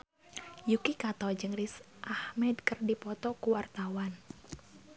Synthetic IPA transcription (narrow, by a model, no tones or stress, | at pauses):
jukikat̪ɔd͡ʒɨŋɾis | ʔahmɛdkərdipɔt̪ɔkuwart̪awan